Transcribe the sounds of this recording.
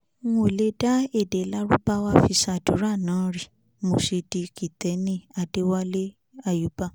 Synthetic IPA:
o˨le˦da˦e˦˨de˨˦la˦ɾṵ˦ba˦wa˦fi˧ʃa˧˨du˨˦ɾa˦˨nãː˨˦ɾi˦˨ | mo˨ʃi˧di˧ki˨tɛ˨˦nĩ˦a˧de˦wa˦le˦ | a˦˨ju˨˦ba˦

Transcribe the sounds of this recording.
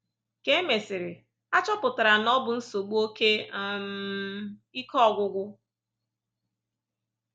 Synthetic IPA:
ke˦e˦me˨sɪ˨ɾɪ˨ | a˦t͡ʃɔ˦pʊ˨ta˨ɾa˨nɔ˦bʊ˨n̩˦so˨ɡ͡bu˦o˦ke˦˨m˦i˦kɔ˦˨ɡʷʊ˦ɡʷʊ˦

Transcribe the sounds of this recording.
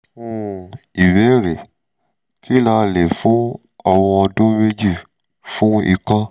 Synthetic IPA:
fũ˦i˨wɛ˨˦ɾe˨ | ki˦la˧˨le˨fũ˨˦ | a˨w̃ɔ̃˧ɔ˧dõ˦me˦d͡ʒi˦˨ | fũ˦ḭ˧˨kã˧

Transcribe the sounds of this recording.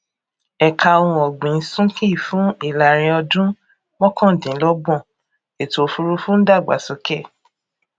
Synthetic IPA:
ɛ˨ka˨˧wɔ̃˧ɔ˨ɡ͡bĩ˨˦sũ˦kĩ˦i˦˨fũ˨˦i˦˨la˨ɾ̃ĩ˧ɔ˧dũ˦ | mɔ̃˦kʰɔ̃˦˨dĩ˨˦lɔ˦ɡ͡bɔ̃˦˨ | e˨to˨fu˧ɾu˧fũ˦n̩˦da˦˨ɡ͡ba̰˨˦sɔ˧kɛ˦˨

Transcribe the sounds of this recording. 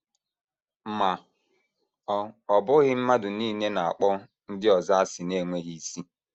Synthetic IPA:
m̩˦ma˨ | ɔ˨bʊ˦ɣɪ˦m̩˦ma˦dʊ˨niː˦ne˦na˨a̰˨k͡pɔ˦ | n̩˦dɪ˦ɔ˨za˦a˦sɪ˨ne˦˨ŋʷe˦ɣi˦i˦si˦

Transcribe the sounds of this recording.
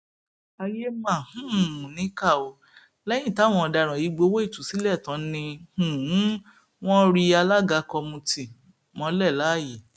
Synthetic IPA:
a˧je˦mã˦˨hũ˦˨mũ˨nĩ˨˦ka˦˨o˧ | lɛ˦j̃ĩ˦˨ta˨˦˨w̃ɔ̃˧˨ɔ˧da˧˨ɾ̃ã˨i˨˦ɡ͡bo˧˦wo˦i˦˨tu˨si˨˦lɛ˦˨tã˨˦nĩ˧hũ˨˦ | w̃ɔ̃˦ɾi˧a˧la˦ɡa˨˧kɔ˧mũ˧ti˨ | mɔ̃˧˦lɛ˦˨la˨˦˨je˨

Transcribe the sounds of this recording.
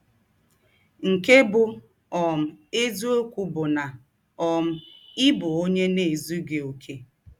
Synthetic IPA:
ŋ̩˨ke˦bʊ˦ | ɔ˨m̩˨e˦zu˦o˦kʷu˦bʊ˨na˨ | ɔ˨m̩˦ɪ˦bʊ˨o˦ɲe˦ne˨e˨zu˦ɡe˨o˨kʰe˨

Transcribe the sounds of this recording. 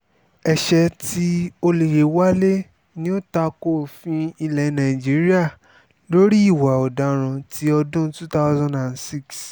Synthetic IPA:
ɛ˨ʃɛ˧ti˦o˧le˨je˨wa˦le˦ | nĩ˦o˦ta˧ko˦˨fĩ˧i˧lɛ˨˦nã˨i˨d͡ʒi˨˦ɾi˦a˦˨ | lo˦ɾi˦i˦˨wa˨ɔ˨da˨ɾ̃ã˧tʰi˦ɔ˧dũ˦tu˦ta˦ʊzã˦da˨nsi˦ks

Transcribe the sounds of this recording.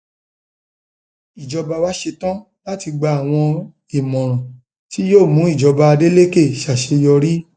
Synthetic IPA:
i˨d͡ʒɔ˧ba˧wa˦ʃe˧tã˦ | la˦ti˧ɡ͡ba˧˦a˨w̃ɔ̃˧ | i˨mɔ̃˨ɾ̃ɔ̃˨ | ti˦joː˦˨mũ˨˦i˦˨d͡ʒɔ˨˧ba˧a˧de˦le˦ke˦˨ʃa˨ʃe˧jɔ˧ɾi˦

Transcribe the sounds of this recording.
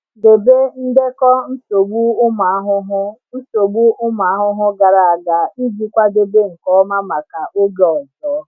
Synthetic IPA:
de˨be˦n̩˦de˦kɔ˦n̩˦so˨ɡ͡bu˦ʊ˦ma˨˦ɦʊ˦ɦʊ˦n̩˦so˨ɡ͡bu˦ʊ˦ma˨a˦ɦʊ˦ɦʊ˦ɡa˨ɾa˨a˨ɡa˨i˦d͡ʒi˦kʷa˦de˦be˦ŋ̩˨kɔ˦ma˦ma˨ka˨ʔo˦ɡe˨ɔ˨zɔ˦

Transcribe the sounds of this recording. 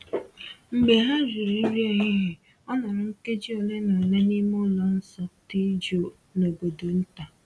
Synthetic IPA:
ŋ͡m̩˨ɡ͡be˨ɦa˦ɾʊ˨ɾi˦ɾi˦e˦˨ɲɪ˦ɦe˨ | ɔ˦nɔ˨ɾʊ˦ŋ̩˦ke˦d͡ʒi˦o˨le˦no˨le˦ni˦mʊ˦lɔ˨n̩˦sɔ˨ti˦d͡ʒo˨ | no˨ɡ͡bo˨do˨n̩˦ta˨

